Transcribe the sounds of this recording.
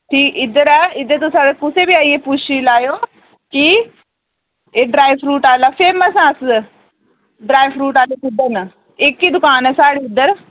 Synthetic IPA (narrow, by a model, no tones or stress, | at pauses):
ʈʰiːkɪd̪əɾɛɪd̪əɾt̪osaɽekʊsebiaːiepʊt͡ʃʰilaːjoː | ki | eːɖɾaːiʋɾuːʈaːlafeːməsãːs | ɖɾaːiʋɾuːʈaːlekɪd̪ən | ekːid̪ʊkaːnɛsaːɽiɪd̪əɾ